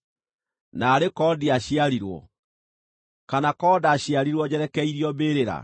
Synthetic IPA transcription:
naːɾekɔdiaɕiaɾiɾwɔ̰ | kanakɔːdaɕiaɾiɾwɔd͡ʑɛɾɛkɛiɾiɔbeːɾeɾa̰

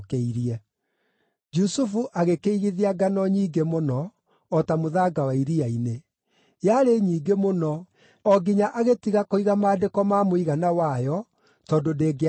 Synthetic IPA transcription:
kɛiɾiɛ | d͡ʒusufuʔaɣekeiɣiðiaɡanɔɲiːɡemonɔː | tamoðaɡawaiɾiaine | jaɾeɲiːɡemonɔ | ɔɡiɲaʔaɣetiɣakoiɣamaːdekɔmamoiɣanawajɔ | tɔndodeːɡe

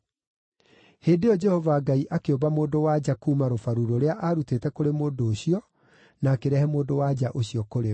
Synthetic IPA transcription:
heːdeɔd͡ʒɛhɔvaːɡaiʔakeobamoːdowad͡ʑakuːmaɾofaɾuɾoɾeaʔaɾutetɛkoɾemoːdoːɕiɔ | naːkeɾɛhɛmoːdowad͡ʑaʔoɕiɔkoɾe

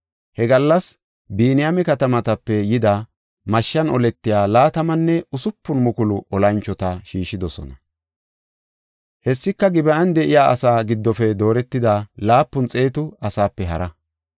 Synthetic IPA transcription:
hɛɡɐlːɐs | biːnɪjamɛkɐt̪ɐmɐt̪ɐpːɛjɪd̪ɐ | mɐʃːɐnɔlɛt̪ːɪjaːlaːt̪ɐmɐnːɛʊsʊpːʊnmʊkʊlʊʔɔlɐnt͡ʃːɔt̪ɐʃiːʃːɪd̪ɔsɔ̰nɐ | hɛsːɪkːɐɡɪbɐʔɐnd̪ɛʔɪjaːɐ̰saːɡɪd̪ːɔfɛd̪o̞ːɾɛt̪ːɪd̪alaːpːʊnt͡sʼe̞ːt̪ʊɐsaːpːɛɦɐɾɐ

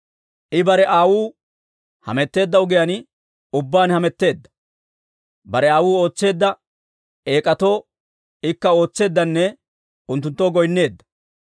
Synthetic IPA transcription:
ʔɪbɐɾɛʔaːwuː | hɐ̰mɛt̪ːe̞ːd̪ːɐʊɡɪjɐn | ʊbːaːnhɐmɛt̪ːe̞ːd̪ːɐ̥ | bɐɾɛaːwuːo̞ːt͡sːe̞ːd̪ːɐ | e̞ːkʼɐt̪o̞ː | ɪkːɐo̞ːt͡sːe̞ːd̪ːɐnːɛ | ʊnt̪ːʊnt̪ːoːɡɔjnːe̞ːd̪ːɐ̥

